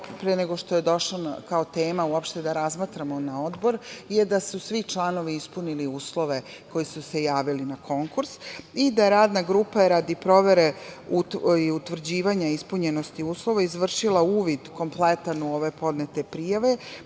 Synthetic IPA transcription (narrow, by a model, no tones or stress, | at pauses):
pɾeeneɡo̞ʃt̪o̞je̞d̪o̞ʃlanakaot̪eːmauopʃt̪ed̪aɾazmat̪ɾamonao̞d̪bo̞ɾjed̪asusʋit͡ʃlˠaːno̞ʋiispuniliuːslˠo̞ʋe̞ | ko̞jisuse̞jaːʋilinakʰo̞ŋkuɾsid̪ajeɾaːd̪naɡɾuːpaeɾad̪ipɾo̞ʋe̞ɾeuiut̪ʋr̩d͡ʑiːʋaɲaispuɲe̞no̞st̪iuːslˠo̞ʋaizʋr̩ʃilˠauːʋid̪ko̞mplet̪anuo̞ʋe̞po̞d̪net̪e̞pɾijaʋe̞